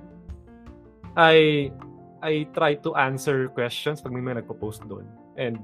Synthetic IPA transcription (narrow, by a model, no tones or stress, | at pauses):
ʔaj | ʔajt̪ɾajt̪ʊʔansɛɹkwɛst͡ʃɔnspɐɡ̚mɐjmɐjɐnɐɡ̚pɐpowst̪̚d̪o̰n | ʔɛ̃nd̪̚